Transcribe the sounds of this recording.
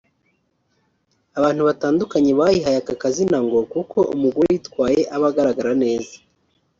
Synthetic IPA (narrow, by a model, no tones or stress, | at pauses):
aβaːn̥huβataːndukaɲe̞βajiɦajakakazinaŋɡokuko̞ʔṵmuɡoɾejiːtkwaːje̞ʔaβaɡaɾaɡaɾane̞ːzḁ